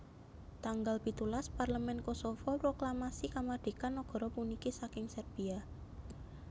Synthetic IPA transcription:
t̪aŋɡalpit̪ulasparləmɛnkosofɔpɾoklamasikamadɖ̪̥e̤kanːɔɡ̥ɔ̤ɾɔpunikisakɪŋsərb̥ia

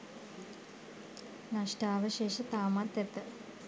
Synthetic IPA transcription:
naʂʈaːʋəʃeːʃət̪aːmat̪ːɛt̪ːə

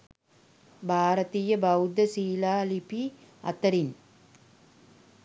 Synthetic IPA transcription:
bʱaːɾɐt̪iːjəbɐwd̪əsiːlaːlipi | ɐ̰t̪ɐɾin

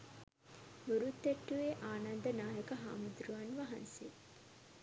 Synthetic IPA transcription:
muɾut̪ːeʈːuʋeʔaːnand̪ənaːjəkəɦa̰ːmud̪ɾuʋanʋaɦɐ̰nse

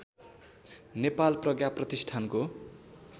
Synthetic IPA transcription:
nepalprʌɡjaprʌt̪isʈʰanko

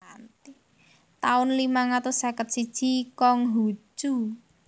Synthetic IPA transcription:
ant̪i | t̪aʊnlimaŋat̪ʊsakət̪̚sid̥ʒ̥i̤kɔŋɦu̥d͡ʒ̥u

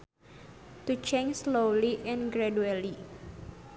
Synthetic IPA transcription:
t̪ut͡ʃẽnd͡ʒslowliʔɛ̃nɡɾɛduɛli

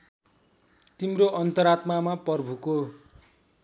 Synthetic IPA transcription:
t̪imɾoʔʌnt̪ʌɾat̪mamapʌrbʱuko

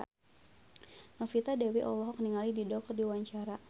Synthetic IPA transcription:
nɔfit̪adɛwiʔɔlɔɦɔkniŋalididɔk̚ɔrdiwaɲt͡ʃaɾa

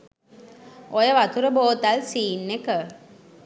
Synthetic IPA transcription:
ojəʋat̪uɾəboːt̪alsiːnːekə

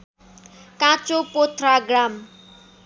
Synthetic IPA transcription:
kãt͡sopot̪ʰraɡram

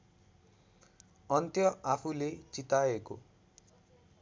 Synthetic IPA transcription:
ʌnt̪jʌʔapʰulet͡sit̪aeko

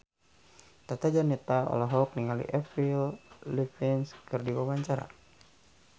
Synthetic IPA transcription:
t̪at̪ad͡ʒanit̪aɔ̰laɦɔk̚niŋalḭʔɛfillifɛnskɨrdiwawaɲt͡ʃaɾa̰

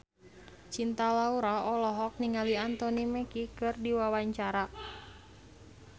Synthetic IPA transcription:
t͡ʃint̪alauɾaɔlɔɦɔk̚niŋaliant̪ɔnimɛkikɨrdiwawaɲt͡ʃaɾa

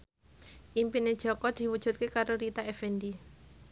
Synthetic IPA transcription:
ʔimpined̥ʒ̥ɔkɔd̪̥i̤wud̥ʒ̥ṳt̪̚kekaɾoɾit̪aɛfɛnd̪i

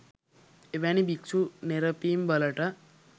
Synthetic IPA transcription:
eʋañibikt͡sʰuneɾəpimbələʈə

